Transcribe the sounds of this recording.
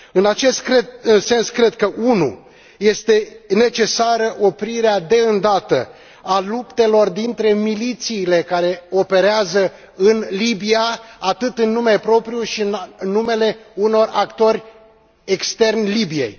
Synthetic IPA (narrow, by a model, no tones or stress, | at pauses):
ɨnat͡ʃe̞st̪kɾeɨse̞nskɾe̞d̪kəʔunṵ | je̞st̪e̞ne̞t͡ʃe̞saɾəʔo̞pɾiɾead̪e̞ɨnd̪at̪ə̰ | alupt̪e̞lo̞rd̪int̪ɾe̞milit̪siːle̞kaɾe̞o̞pe̞ɾeazə | ɨnlibiaat̪ɨt̪ɨnːumepɾo̞pɾijuʃinnːume̞le̞uno̞rakt̪o̞ɾʲ | ekst̪e̞rnʲlibije̞̰j